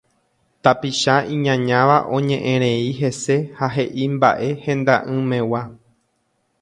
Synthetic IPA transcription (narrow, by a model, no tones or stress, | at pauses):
t̪apiʃaĩɲãɲãʋaʔõ̞ɲẽ̞ʔẽɾ̃ẽ̞iɦe̞se̞haɦe̞ʔimba̰ʔe̞hẽ̞nd̪aʔɨ̃mẽ̞wa